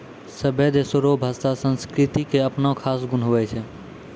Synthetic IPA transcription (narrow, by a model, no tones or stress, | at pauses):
səbʱed̪esoɾobʱaːst̪asə̃nskɾɪt̪ikeɐpnakʰaːsɡʊnɦʊʋɛt͡ʃʰɛ